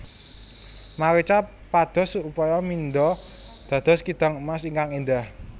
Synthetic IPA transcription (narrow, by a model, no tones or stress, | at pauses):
maɾit͡ʃa | pad̪̥ɔ̤supɔjɔmind̪ɔ | d̪̥a̤d̪̥ɔ̤skid̪̥a̤ŋmasiŋkaŋind̪ah